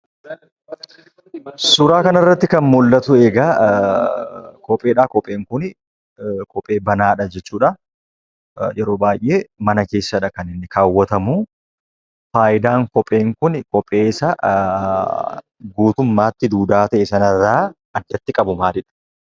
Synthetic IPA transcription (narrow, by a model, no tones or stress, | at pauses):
sʊɾaːkɐnɐrːɐt̪ːɪkɐnmʊlːɐt̪ʊeːɡaː | kʰɔpʼe̞ːᶑaːkɔpʼeːŋkʊn | kɔpʼːe̞ːbɐnaːᶑɐd͡ʒɛt͡ʃːuːᶑɐ | jɛɾo̞ːbaːjʔe̞ːmɐnɐke̞ːsːɐᶑɐkɐnɪnːɪkaːwːɐt̪ɐmu | faːʔɪd̪aːŋkɔpʼːe̞ːŋkʊnkɔpʼːe̞ːsɐ | ɡuːt̪ʊmːaːt̪ːɪd̪uːd̪aːt̪ɐʔɛsɐnɐrːaː | ɐd̪ːɐt̪ːɪkʼɐbʊmaːd̪ɪᶑɐ̥